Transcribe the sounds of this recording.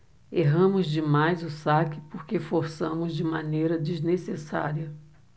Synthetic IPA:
eɦɐ̃mʊzd͡ʒɪmajzʊsakɪpoɾkefoɾsɐ̃mʊzd͡ʒɪmanejɾɐd͡ʒiznesesa̰ɾiɐ

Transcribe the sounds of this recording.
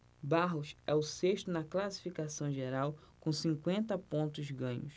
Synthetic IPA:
baɦʊsɛʊseʃt̪ʊnɐklasi̥fikasɐ̃w̃ʒeɾawkõsĩŋkwẽnt̪ɐpõnt̪ʊzɡɐ̃ɲʊ̰s

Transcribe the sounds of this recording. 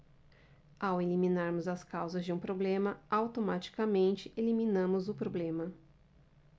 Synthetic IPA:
awelimĩnaɾmʊzɐskawzɐzd͡ʒɪũpɾoblẽmɐawt̪omat͡ʃi̥kɐmẽnt͡ʃɪʔeliminɐ̃mʊzʊpɾoblẽmɐ

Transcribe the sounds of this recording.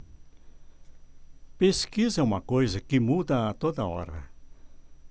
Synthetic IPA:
peskizɐũmɐkojzɐkɪmud̪ɐːt̪od̪ɐɔ̰ɾɐ̰

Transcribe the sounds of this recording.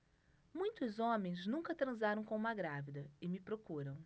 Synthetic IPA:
mũj̃t̪ʊzõmẽj̃znũŋkɐt̪ɾɐ̃zaɾɐ̃w̃kõũmɐɡɾavid̪ɐɪmɪpɾokuɾɐ̃w̃

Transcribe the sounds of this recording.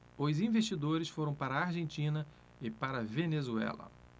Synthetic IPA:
ʊzĩveʃt͡ʃid̪oɾɪsfoɾɐ̃w̃paɾɐaɾʒẽnt͡ʃĩnɐ | ɪpaɾɐvenezuɛ̰lɐ̰

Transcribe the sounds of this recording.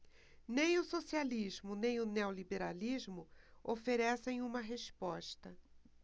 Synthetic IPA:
nẽj̃ʊsosialiʒmʊnẽj̃ʊneolibeɾalizmʊofeɾɛsẽj̃ũmɐɦespɔʃt̪ɐ

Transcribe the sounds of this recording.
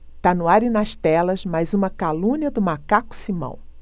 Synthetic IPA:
t̪anʊaɾɪnɐʃt̪ɛlɐzmajzũmɐkalũɲiɐd̪ʊmakakʊ̥simɐ̰̃w̃

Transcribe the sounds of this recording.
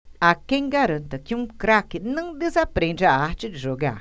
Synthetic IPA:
akeŋɡaɾənt̪akʲuŋkɾakinɨŋd̪ezapɾenɾaat͡ʃidiʒoɡa̰

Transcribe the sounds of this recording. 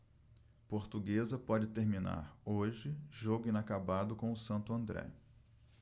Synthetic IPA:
poɾt̪uɡezɐpɔd͡ʒɪt̪eɾmĩna̰ɾoʒɪʒoɡʊĩnakabad̪ʊkõw̃ʊsɐ̃nt̪ʊɐ̃nd̪ɾɛ̰

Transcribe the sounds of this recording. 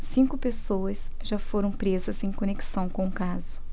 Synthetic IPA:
sĩkʊpesowɐs | ʒafoɾɐ̃w̃pɾezɐzẽj̃kõneksɐ̃w̃kõũkazʊ

